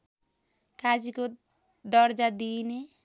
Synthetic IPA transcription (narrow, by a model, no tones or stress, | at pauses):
kad͡ʒiko | d̪ʌɾd͡ʒad̪ini